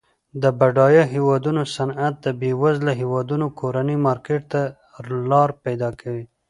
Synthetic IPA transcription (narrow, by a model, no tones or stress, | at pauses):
d̪əbaɖɑjəɦewɑd̪unosanat̪̚d̪əbewazlaɦewɑd̪unokʰoɾanimɑɾkeʈ̚t̪a | lɑɾpajd̪ɑkʰawi